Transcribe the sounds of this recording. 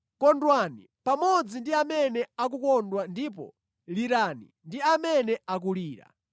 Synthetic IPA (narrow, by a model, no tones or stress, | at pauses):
kɔndwani | pamɔd͡zindiamɛnɛak̬ukɔndwandipɔ̰ | liɾanḭ | ndiamɛnɛak̬uliːɾa̰